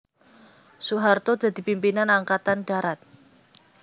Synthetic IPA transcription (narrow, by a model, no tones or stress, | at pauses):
suɦart̪od̪̥ä̤d̪̥i̤pimpinanaŋkat̪anɖ̥a̤ɾat̪̚